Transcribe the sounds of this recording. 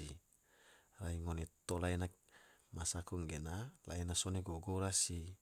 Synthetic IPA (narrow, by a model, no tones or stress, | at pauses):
i | raiŋonet̪olaina | masakɔŋɡenala̰inasoneɡoɡoɾasi